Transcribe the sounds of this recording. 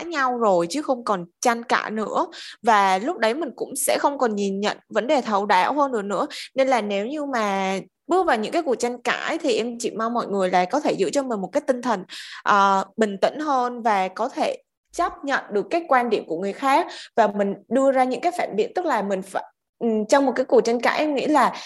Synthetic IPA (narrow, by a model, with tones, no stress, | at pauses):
aː˨˥ɲa˧wzo˨˩jt͡ɕɨ˨˦xə˧wŋ͡mkɔ˨˩nt͡ɕa˧jŋka̰ː˧˩nɨ̰˧˥əvaː˨˩lʊ˦˥k͡p̚ɗə˨˦jmï˨˩ŋ̟kʊ̰˧˥ŋ͡msɛ̰˧˥xə˧wŋ͡mkɔ˨˩nɲi˨˩nɲə̰˧˨nvə˨˦nɗe˨˩t̪ʰə˨˩wɗa̰ː˧˩wɦəː˧nɗɨ̰˧˩ənɨ̰˧˥əne˧nlaː˨˩ne˨˦wɲɨ˧maː˨˩ | ɓɨ˦˥ək̚vaː˨˩wɲɨ̰˧˥ŋkaː˨˦ku˨˩ək̚t͡ɕa˧jŋka̰ː˧˩˨t̪ʰi˨˩ʔɛ˧t͡ɕḭ˧˨ma˧wmɔ̰˧˨jŋɨ˨˩əjla̰ː˧˨jkɔ˨˦t̪ʰe˧˩zɨ̰˧˥t͡ɕɔ˧mi˨˩ŋ̟mo˨˩t̚kaː˨˦jt̪i˧ŋ̟t̪ʰə˨˩nʔəː˨˩ɓï˨˩ŋ̟t̪ḭ̈˧˥ŋ̟ɦəː˧nvaː˨˩kɔ˨˦t̪ʰe˧˩ | t͡ɕa˦˥p̚ɲə̰˧˨nɗɨ˨˩əkːaː˨˦jkwaː˧nɗḭ˧˩əmku˧˩əŋɨ˨˩əjxaː˦˥k̚vaː˨˩mï˨˩ŋ̟ɗɨ˧əzaː˧ɲɨ̰˧˥ŋkaː˨˦jfaː˧˩nɓḭ˧˥ənt̪ɨ˦˥k̚laː˨˩mï˨˩ŋ̟faː˧˩j | t͡ɕɔ˧wŋ͡mmo˨˩t̚kaː˨˦jku˨˩k̚t͡ɕa˧nka̰ː˧˥jʔɛ˧ŋ͡mŋḭ˧˥laː˨˩